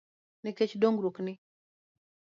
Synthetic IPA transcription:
nɪket͡ʃdoŋɡɾoknɪ

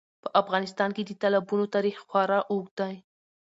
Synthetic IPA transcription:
pəʔafɣɑnɪst̪ɑnked̪ət̪alabunot̪ɑɾixxwɑɾɑʔok̚d̪aj

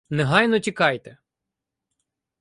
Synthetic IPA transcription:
nɛɦɑjnɔtʲikɑjt̪ɛ

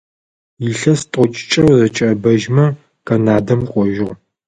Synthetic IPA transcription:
jiɬɐstʼɔt͡ʃʼɪ̥t͡ʃʼɐwzɐt͡ʃʼːbɐʒmɐ | kɐnaːdɐmqʷʼɔʒɪʁ

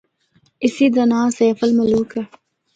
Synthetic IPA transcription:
isid̪ɐnãːseːfɐlmɐluːkɐ

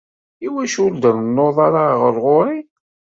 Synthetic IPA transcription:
iwæʃʊɾd̪ənənːoðˤaɾaʁəɾʁoɾi

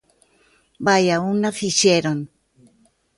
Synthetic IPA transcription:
bajaunafiʃeɾon

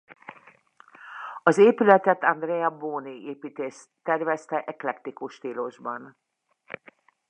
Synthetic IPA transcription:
ɒzeːpylɛt̪ɛt̪ɒnd̪rɛjɒboːnieːpiːt̪eːst̪ːɛrvɛst̪ɛʔɛklɛkt̪ikuʃt̪iːloʒbɒn

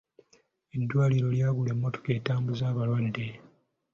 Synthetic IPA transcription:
edːwaːliɾo̞ljaːβule̞mːo̞to̥ke̞ːtaːmbuzaːβalwadːe̞

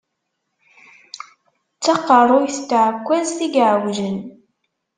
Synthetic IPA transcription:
t͡sːɑqːərˤʊjθt̪ːʕəkʷːæzθiɡʕəwʒən

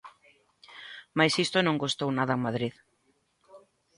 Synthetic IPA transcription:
majsist̪ʊnõŋɡost̪ownaðɐŋmaðɾið

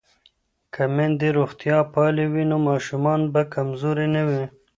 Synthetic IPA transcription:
kamend̪eɾoxt̪jɑpɑlewinomɑːʃumɑnbakamzoɾenawi

